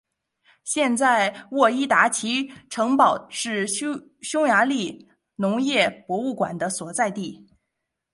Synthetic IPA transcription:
ɕjɛ˥˧nt͡sa˥˧ɪwɔ˥˩i˥t̪a˧˥t͡ɕʰi˧˥ʈ͡ʂʰɤ˧˥ŋpɑ˨˩ʊʂɻ̩˥˩ | ɕjʊ˥ŋja˧˥li˥˩ | nʊ˧˥ŋjɛ˥˩pwɔ˧˥u˥˩kwa̰˨˩nd̪ə˦swɔ˨˩t͡sa˥˧ɪt̪i˥˩

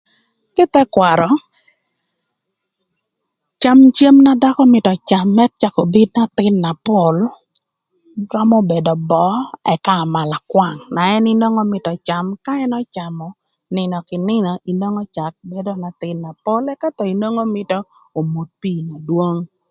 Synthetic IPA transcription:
kɪ˦t̪ɛ˦kwa˨ɾɔ˨ | t͡ʃa˦mt͡ʃe˦mna˦da˦kɔ˦mɪ˨tɔ˨t͡ʃa˨mːɛ˦t̚t͡ʃa˨ko˨bi˦d̚na˦t̪ɪ˦nːa˨po˨l | ɾɔ˦mɔ˦be˨dɔ˨bɔ˦ɛ̰˨kaː˦˨ma˨la˨kwa˦˨ŋna˨ɛ˦ni˦no˦ŋɔ˦mɪ˨tɔ˨t͡ʃa˨mka˦ɛ˦nɔ˦t͡ʃa˨mɔ˨ | nɪ˨nɔ˨kɪ˨nɪ˦nɔ˨ʔi˨no˦ŋɔ˦t͡ʃa˨k̚be˦do˦na˨t̪ɪ˦nːa˨po˦lɛ˦ka˦tɔ˨i˨no˦ŋo˦mɪ˦tɔ˦ | o˨mu˨t̪̚pi˦˨na˨dwo˦ŋ

